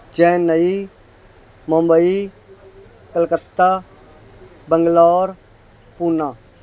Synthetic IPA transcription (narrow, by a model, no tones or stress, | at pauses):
d͡ʒɛ̃ːnːəi | mõmbəi | kəlkət̪ːa | bəŋɡlɔːɾ | punaː